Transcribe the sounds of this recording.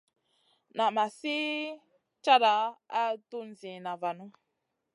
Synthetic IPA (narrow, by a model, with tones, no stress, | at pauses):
na˨ma˨si˦ | t͡ʃa˦ɾa˨˦a˦tu˦n̩˨zĩ˨na˨va˨nu˦